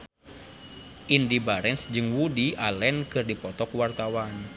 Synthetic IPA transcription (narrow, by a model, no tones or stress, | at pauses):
ʔindibaɾɛnsd͡ʒɨŋwudialɛnkɨrdipɔt̪ɔkwart̪awan